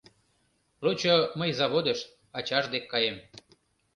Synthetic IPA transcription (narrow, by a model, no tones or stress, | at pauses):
lot͡ɕoməjzɑβod̪eʃ | ɑt͡ɕɑʒd̪ekːɑjem